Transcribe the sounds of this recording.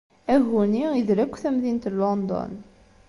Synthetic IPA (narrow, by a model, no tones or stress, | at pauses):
æɦuniiðɾækʷːθæmðint̪lond̪ɔ̰n